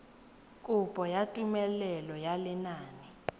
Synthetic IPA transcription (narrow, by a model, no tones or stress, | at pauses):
kʼupʼɔjatʼumɛlɛlɔjalɛnaːni